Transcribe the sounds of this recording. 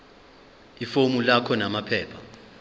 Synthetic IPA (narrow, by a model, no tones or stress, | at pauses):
ifomulakʰɔnamapʰɛːpʰa